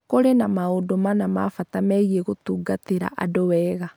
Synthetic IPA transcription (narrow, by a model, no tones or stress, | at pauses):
koɾenamaodomanamafatamɛieɣotuːɡateɾa̰ʔa̰dowɛːɣa